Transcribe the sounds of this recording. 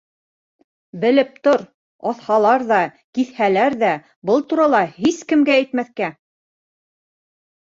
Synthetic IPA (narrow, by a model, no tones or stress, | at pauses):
bɘ̆lɘp̚t̪oɾ | ɑθhɑlˠɑɾðɑ | kiθhælæɾðæ | bɤlˠt̪uɾɑlˠɑhiskɘ̆mɡæːjt̪mæθkæ